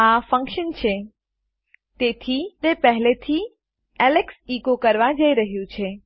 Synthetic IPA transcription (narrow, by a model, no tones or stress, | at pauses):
afə̃ŋkʃənt͡ʃʰe | t̪et̪ʰit̪epəɦlet̪ʰi | ɛleksikokəɾʋad͡ʒəiɾəɦjũt͡ʃʰe